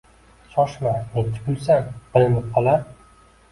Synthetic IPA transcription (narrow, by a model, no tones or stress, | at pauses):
ʃɒʃmanet̪ʰɪ̥kʲʊlsanqɨlɪnɪp̚qʰɒlˠaɾ